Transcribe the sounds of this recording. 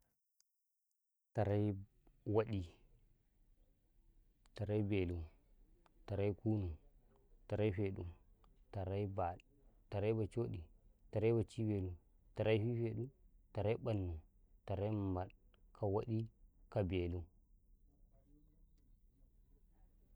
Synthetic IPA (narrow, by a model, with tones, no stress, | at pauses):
ta˨ɾa˦j | wa˦ɗi˦˨ | ta˨ɾa˦jbe˨lu˦ | ta˨ɾa˦jku˦nu˨ | ta˨ɾa˦jfe˨ɗu˦ta˨ɾa˦jba˨ | ta˨ɾa˦jba˨t͡ʃo˦ɗi˨ta˨ɾa˦jba˨t͡ʃi˦be˨lu˦ | ta˨ɾa˦jfi˦fe˨ɗu˦ta˨ɾa˦ɓa˨nːu˨ta˨ɾa˦jma˨ɗkʰa˨wa˦ɗi˦ka˨be˨lu˦